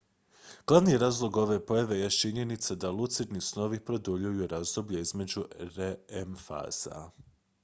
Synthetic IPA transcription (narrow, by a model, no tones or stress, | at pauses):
ɡ̥lˠaʋnijɾaːzlˠo̞ɡo̞ʋe̞po̞jaʋe̞jet͡ʃiɲe̞nit̪sad̪alˠut̪siɾnisno̞ʋipɾo̞d̪uʎujuɾazd̪o̞bʎeizme̞d͡ʒuɾeemfa̰z̥a̰